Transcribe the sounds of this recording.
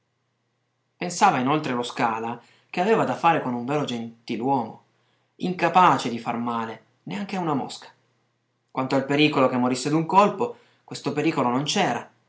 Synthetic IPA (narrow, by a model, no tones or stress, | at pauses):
pensaːvainolt̪ɾeloskaːla | k̟eaveːvad̪afːaːɾekonuɱveːɾod͡ʒent̪ilwɔːmo̰ | iŋkapaːt͡ʃed̪ifa̰rmaːle | neaŋkeunamo̰skḁ | kwʔant̪oalpeɾiːkolokemːoɾisːed̪uŋkolpo | kwest̪opeɾiːkolonont͡ʃɛːɾa